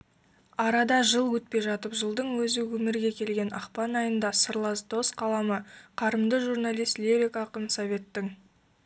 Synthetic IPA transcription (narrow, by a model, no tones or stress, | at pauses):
ɑɾɑd̪ɑʒəlˠwɵt̪̚pe̞jʒɑt̪əpʒəlˠd̪əɴwɵzɪwɵmɪɾɡʲe̞kʲʰe̞lɡʲe̞nɑqpɑnɑjənd̪ɑsəɾlˠɑsd̪o̞sqʰɑlˠɑməqʰɑɾəmd̪əʒurnalʲˠijst̪lʲeɾʲikɑqənsovʲe̞t̪ːɪŋ